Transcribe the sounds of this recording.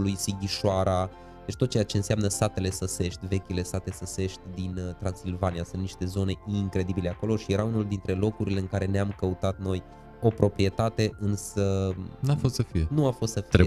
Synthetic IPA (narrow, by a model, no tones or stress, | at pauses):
lujsiɡʲiʃoaɾa | d̪et͡ʃt̪ot̪̚ːt͡ʃejat͡ʃe̞ɨnsjamnəsat̪e̞le̞səse̞ʃt̪ʲve̞kʲile̞sat̪e̞səse̞ʃt̪ʲd̪int̪ɾansilvanijasɨnt̪niʃt̪e̞zo̞ne̞iŋkɾe̞d̪ibile̞ako̞lo̞ʃije̞ɾaunuld̪int̪ɾe̞lo̞kuɾile̞ɨŋkaɾe̞neamkəut̪at̪̚no̞j | o̞pɾo̞pɾie̞t̪at̪e̞ʔɨnsənafost̪səfijenuafo̞st̪səfie